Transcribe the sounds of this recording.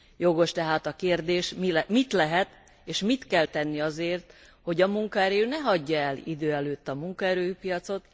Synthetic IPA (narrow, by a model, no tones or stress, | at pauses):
jo̞ɡo̞ʃt̪ɛɦaːt̪ɒkeːrd̪eːʃmilmit̪lɛɦɛt̪ | eːʃmit̪kɛlt̪ɛnːiɒzeːrt̪ | ho̞ɟɒmuŋkɒɛɾøːnɛɦɒɟːɒɛlḭd̪øːɛløːt̪ːɒmuŋkɒɛɾøːjypijɒt̪so̞t̪